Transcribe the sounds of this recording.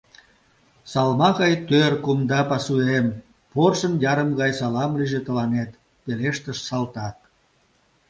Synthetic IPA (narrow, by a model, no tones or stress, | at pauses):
sɑlmɑɣɑjt̪ørkumd̪ɑpɑsuem | porʃənjɑɾəmɣɑjsɑlɑmliʒet̪əlɑnet̪ | peleʃt̪əʃsɑlt̪ɑk̚